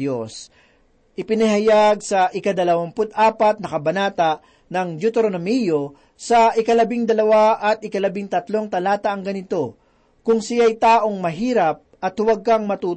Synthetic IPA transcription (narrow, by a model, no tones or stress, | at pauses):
os | ʔɪpɪnɐɦɐjaɡ̚sɐʔɪkɐd̪ɐlɐwɐmpʊt̪ʔaːpɐt̪̚nɐkɐbɐnaːt̪ɐ | nɐŋd͡ʒut̪ɾonɐmijo̞ | sɐʔɪkɐlɐbɪŋd̪ɐlɐwaʔɐt̪ɪkɐlɐbɪŋt̪ɐt̪lo̞ŋt̪ɐlaːt̪ɐʔɐŋɡɐnɪt̪o̞ | kʊŋsɪjajt̪aːʔo̞ŋmɐɦiːɾɐp̚ɐt̪hʊwɐɡ̚kaŋmɐt̪uː